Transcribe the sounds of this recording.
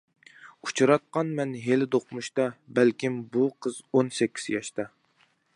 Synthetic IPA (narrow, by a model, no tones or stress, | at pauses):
ut͡ʃʰuɾɑt̪̚qɑnmɛnɦelɪd̪oqmuʃt̪ɑbælkʲimbuqʰəzonsɛkʲʰːi̥z̥jɑʃt̪ɑ